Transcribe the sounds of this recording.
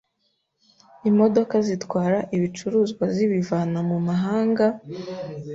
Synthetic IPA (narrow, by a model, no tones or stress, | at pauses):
imo̞do̞kazitwaːɾaʔiβit͡ʃuɾuːzɡwaziβivaːnamumaɦaːŋɡa